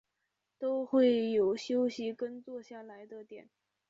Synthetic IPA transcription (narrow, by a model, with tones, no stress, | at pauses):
t̪o˥ʊxwe˥˩ɪjo˨˩ʊɕjo˥ʊɕi˧˥kə˥nt͡swɔ˥˧ɕja˥˩la˧˥ɪd̪ə˧t̪jɛ̰˨˩˦n